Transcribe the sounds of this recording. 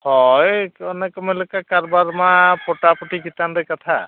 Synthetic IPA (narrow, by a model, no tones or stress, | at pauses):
hɔjɔnɛkɔmelekakaɹbaɾmapɔʈapɔʈʰikit̪andɛkat̪ʰa